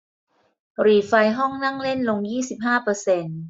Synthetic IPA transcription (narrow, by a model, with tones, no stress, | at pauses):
ɾiː˨˩fa˧jɦɔ˥˩ŋna˥˩ŋle˥˩nlo˧ŋjiː˥˩si˨˩p̚ɦaː˥˩pɤː˧se˧n